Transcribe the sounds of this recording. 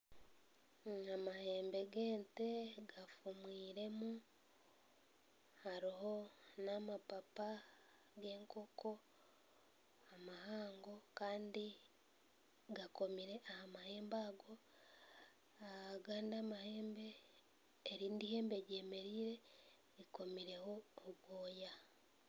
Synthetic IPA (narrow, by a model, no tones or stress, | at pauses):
amahe̞ːmbe̞ɡe̞ːnte̞ɡafumwiːɾe̞mu | haɾiɦo̞namapapa | ɡe̞ːŋko̞ko̞ | amahaːŋɡo̞kaːndi | ɡako̞miɾe̞ʔahamahe̞ːmbaːɡo̞ | aaɡaːndamahe̞ːmbe̞ː | ɾiːndihe̞ːmbe̞ɟe̞me̞ɾiːɾe̞ | ɾiko̞miɾe̞ho̞oβwoːja